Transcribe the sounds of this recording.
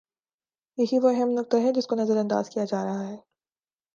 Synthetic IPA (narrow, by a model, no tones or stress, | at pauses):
jɐɦiʋoɐɦɛmnʊk̚t̪aɦɛd͡ʒɪskonɐzəɾɐ̃nd̪a̰ːz̥kijad͡ʒaːɾɐɦaɦɛː